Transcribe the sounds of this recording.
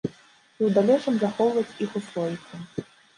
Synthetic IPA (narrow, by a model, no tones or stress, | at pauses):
iwd̪alʲɔt͡ʂɐmzaxɔwvɐt͡sʲixuslˠɔvʲisʲɐ